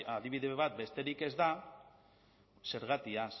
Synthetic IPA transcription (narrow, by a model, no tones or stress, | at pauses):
aðiβiðe̞βat̪̚be̞st̪e̞ɾike̞zd̪a | se̞ɾɣ̞at̪ias